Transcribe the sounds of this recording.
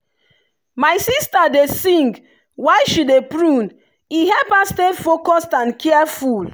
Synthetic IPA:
majsistadesĩŋɡ | wajʃidepɹũn | iɦɛlpastedfokɔstãnkʰɛɛful

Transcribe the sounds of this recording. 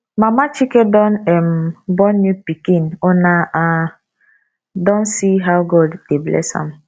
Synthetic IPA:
mamat͡ʃikedɔnɛmbɔnːupikĩnɔnaʔa | dɔ̃nsiɦawɡɔdd̥eblɛ̰sã̰m

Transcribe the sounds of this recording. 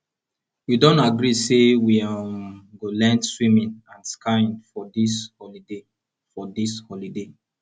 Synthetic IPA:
judõntaɡɾisewiamɡolɛ̃ndswimɛ̃nãnskʰãnfɔdishɔlide | fɔdishɔlide

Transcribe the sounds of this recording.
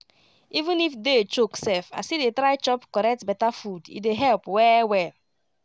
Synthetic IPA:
ivũnifdet͡ʃoksɛfa̰sidetɾajt͡ʃɔpkɔɾɛk̚tbɛtafudḭdeɦɛlpwɛwɛl

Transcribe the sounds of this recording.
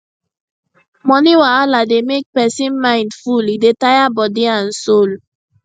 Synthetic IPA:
mɔniwaalademek̚pɛsĩnmãɪ̃ndfulidetajabɔdiãnsol

